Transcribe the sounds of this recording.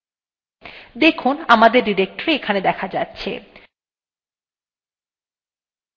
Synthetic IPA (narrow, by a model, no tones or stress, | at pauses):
d̪ekʰunamad̪eɾɖiɾek̚ʈoɾeekʰaned̪ɛkʰad͡ʑatːɕʰḛ